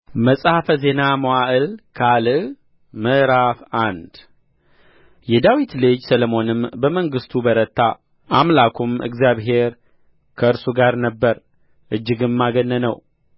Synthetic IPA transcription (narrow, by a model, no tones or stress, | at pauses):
məsʼhafəze̞naməwaʔɨlkʰalɨ | məʔɾafand̪ | jɛd̪awit̪lɨd͡ʒsələmo̞nɨmbəməŋɡɨst̪ʰubəɾət̪ːa̰ | ʔamlakʰumɨ̰ɡzjaβɦe̞ɾ | kʰəɨɾsuɡaɾnəbːəɾ | ʔɨd͡ʒːɨɡɨmmːaɡənːənə̰w